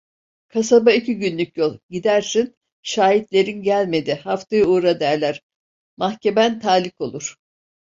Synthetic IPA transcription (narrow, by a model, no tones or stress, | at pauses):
kʰasabaicʰiɟynlʲycjolˠɟid̪æɾsin | ʃaːɦit̪lʲe̞ɾinɟælʲme̞d̪ihaft̪ʰajɯuːɾad̪æɾlʲæɾ̥ | mahcʰe̞mænt̪ʰaːlʲiko̞lˠuɾ̥